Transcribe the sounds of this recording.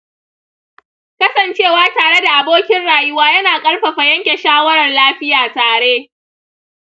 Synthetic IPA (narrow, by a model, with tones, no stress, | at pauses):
kɐ˦sɐ˨nt͡ʃeː˦˨waː˦taː˨ɽe˦da˨ʔa˨boː˦kʲɪ˦nɽaː˨jʊ˦waː˦jɐ˦naː˨kʼɐ˦ɽɸɐ˨ɸa˨jɐ˦ŋkʲe˨ʃaː˦wɐ˦ɽɐ˨rlaː˦ɸɪ˦jaː˨taː˨ɽe˦